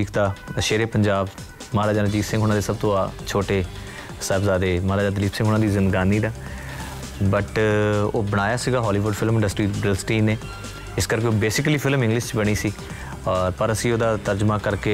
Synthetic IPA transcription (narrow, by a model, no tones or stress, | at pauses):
iːkʰt̪aːəʃeːɾeːpəɲd͡ʒaːb | maːɾaːd͡ʒaːnd͡ʒiːsɪ̃ŋɡɦoːnãːd̪eːsəb̚t̪õːaːt͡ʃʰoːʈeː | sɛːbzaːd̪eːmaːɾaːd͡ʒaːd̪əliːpsɪ̃ŋɡɦoːnaːd̪iːzɪnd̪ɡaːniːd̪aː | bəʈo̰ːbəɽ̃aːjaːsiːɡaːɦɔːliːʋʊɖpʰɪlmɪ̃ɳɖəsʈɾiːbɾɪlsʈiːneː | ɪskəɾkeoːbeːsɪkliːpʰɪlmɪ̃ŋɡlɪʃt͡ʃbəɽ̃iːsiː | ɔːɾpəɾəsĩːoːd̪aːt̪əɾd͡ʒmãːkəɾkeː